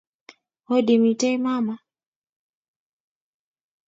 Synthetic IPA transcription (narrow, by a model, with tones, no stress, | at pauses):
hɔ˦ɗi˨mi˨tɛ˦jma˦ma˨